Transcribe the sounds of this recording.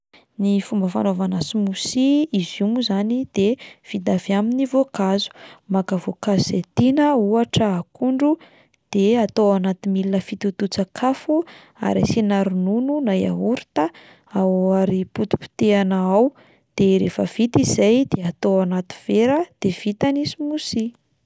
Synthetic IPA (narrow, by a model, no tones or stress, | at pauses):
nifumbəfa̰novanasimusiizumuzanid̪̥ev̥id̪aviaminivokazu̥makəvokazset̪inəuaʈ͡ʂəakuɳɖ͡ʐu | d̪̥eat̪owanat̪imilnəfit̪ut̪ut͡sakʰafu | a̰ɾḭsinaɾunununaja̰ɦuɾi̥t̪ə | awaɾiput̪i̥pi̥t̪eanaaw | d̪̥eɾefəv̥it̪izajd̪eat̪oanat̪i̥v̥eɾəd̪̥ev̥it̪anisimusi